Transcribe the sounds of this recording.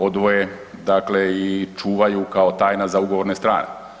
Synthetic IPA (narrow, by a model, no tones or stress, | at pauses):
o̞d̪ʋo̞je | d̪akle̞it͡ʃuːʋajukaot̪aːjnazauɡo̞ʋoɾne̞st̪ɾa̰ːnḛ